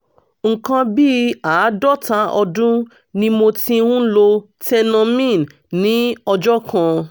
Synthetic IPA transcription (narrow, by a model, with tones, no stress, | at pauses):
ŋ̩˨kã˧bi˦aː˨˦dɔ˦ta˧ʔɔ˧dũ˦ | nĩ˧˦mo˧tĩ˧˦ɾũ˦lo˧ | tɛ˧nã˧mĩ˦˨n˨ | nĩ˨˦ɔ˧d͡ʒɔ˦kã˧